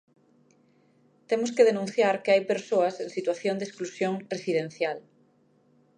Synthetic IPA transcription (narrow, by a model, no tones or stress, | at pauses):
t̪emoskeðenũn̟θjaɾkeajpeɾsoɐsẽŋsit̪waθjond̪esklusjoŋresiðẽn̟θjal